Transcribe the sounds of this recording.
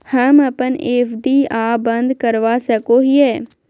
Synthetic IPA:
həmɐpəneːfʰɖiːaːbə̃nd̪kəɾʋaːsəkoɦiɛː

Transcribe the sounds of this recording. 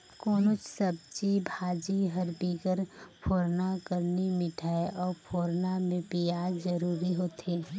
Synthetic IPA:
koːnʊt͡ʃsəb̚t͡ʃibʱaːd͡ʒiɦəɾbikəɾpʰoːɾnakəɾnimɪʈʰaːeʔɔːɾpʰoːɾnamẽpijaːzəɾuːɾiɦoːt̪eː

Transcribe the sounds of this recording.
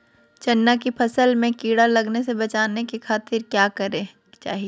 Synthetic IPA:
t͡ʃɐnːakipʰɐsəlmẽkiːɽalɐɡnesebɐt͡ʃaːnekekʰaːt̪ɪɾkjaːkɐɾe | t͡ʃa̰ːɦie

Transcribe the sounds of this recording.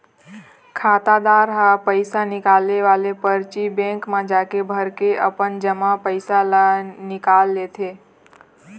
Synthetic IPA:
kʰaːt̪ad̪aɾɦapəɪsanɪkaːlneʋaːlepəɾt͡ʃibɛ̃ŋkmãd͡ʒaːkebʱəɾkeʔəpənd͡ʒəmapəɪsalanɪkalːet̪ʰeː

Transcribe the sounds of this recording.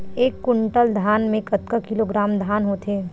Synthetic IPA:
eːkːʊɳʈəld̪ʱaːnmẽkɐt̪kəkɪloːɡɾaːmd̪ʱaːnɦot̪ʰeː

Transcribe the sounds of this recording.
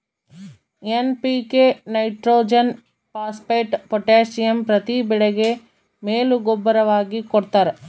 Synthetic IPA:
enpikenɐjʈɾoːd͡ʒɐn | paːspɐjʈpɔʈaːʃijɐmpɾɐt̪ibɛɭeɡe | meːluɡobːɐɾɐʋaːɡikɔɽt̪aːɾe

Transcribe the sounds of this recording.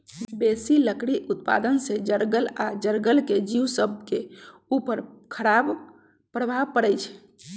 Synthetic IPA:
besiləkɽiʔut̪̚pa̰d̪ənsed͡ʒəɾɡəlad͡ʒəɾɡəlked͡ʒiwsəbkeupəɾkʰəɾab | pɾəbʱapəɽɛjt͡ʃʰ

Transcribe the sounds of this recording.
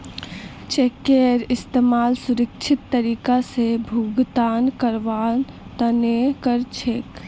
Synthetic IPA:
t͡ʃeːkeːɾɪst̪eːmaːlsʊɾəkt͡ʃʰɪt̪ːəɾiːkasebʱuːɡt̪aːnkəɾʋaːn | t̪ənekəɾt͡ʃʰeːk

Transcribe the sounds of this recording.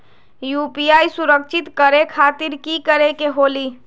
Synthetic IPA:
juːpiaːisʊɾəkʃʰɪt̪kəɾekʰaːt̪iɾkikəɾekeɦoːliː

